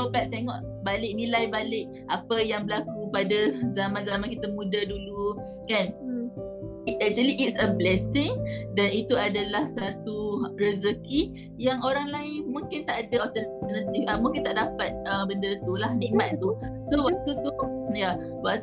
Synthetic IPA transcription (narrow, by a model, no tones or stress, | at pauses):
opaʔ̚t̪eŋɔʔ | balɪʔ̚nilajbalɪʔ̚ | ʔapəjaŋbəlakupadazamãnzamãnkit̪amũdadulu | kan | ɛk̚t͡ʃuəliʔːtsəblɛsɪŋdanit̪uadalahsat̪urəzəki | jaŋoɾaŋlaɪnmũŋkɪnt̪aʔadaɔt̪ənnat̪ifəmũŋkint̪aʔdapat̪̚əmbəndət̪ulahnĩʔmãt̪̚t̪usowaʔ̚t̪ut̪uja | waʔ̚t̪